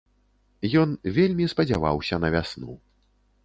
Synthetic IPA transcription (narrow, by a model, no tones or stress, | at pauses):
jɔnvʲelʲmʲispɐd͡zʲava̰wsʲɐnɐvʲasnṵ